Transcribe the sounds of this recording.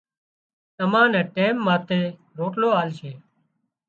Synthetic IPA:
t̪əmãːnɛ̃ːʈeːmːãːt̪eː | ɾoːʈloːaːlʃeː

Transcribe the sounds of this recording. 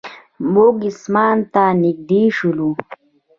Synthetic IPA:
moɡismaːnt̪anik̚d̪iːʂulu

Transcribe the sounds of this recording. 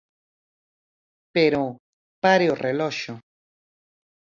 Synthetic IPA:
peɾo | paɾeoreloʃo

